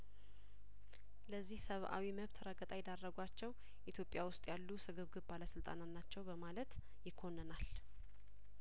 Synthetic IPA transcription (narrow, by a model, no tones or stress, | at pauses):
ləzːihsəβʔa̰wiməβt̪ʰɾəɡət̪ʼajɛd̪arːəɡʷat͡ʃːɛw | ʔit̪ʰjo̞pʼjawʊst̪ʼjalːusɨɡɨβɡɨβbaləsɨlt̪ʼa̰nat̪nat͡ʃːɛwbəmalət̪ | jɪkʰːonːənal